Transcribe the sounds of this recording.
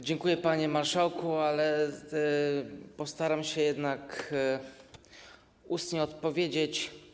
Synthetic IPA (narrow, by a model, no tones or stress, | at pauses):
d͡ʑɛŋkujɛpaɲɛmaɾʂawkualɛ | pɔst̪aɾamɕɛjɛd̪nak | ust̪ɲɛɔt̪pɔvʲjed͡ʑet͡ɕ